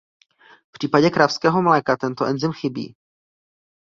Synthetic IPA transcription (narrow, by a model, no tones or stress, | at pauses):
pr̥iːpaɟɛkɾafskɛːɦo̞mlɛːkat̪ɛnt̪oʔɛnzɪmxɪbḭː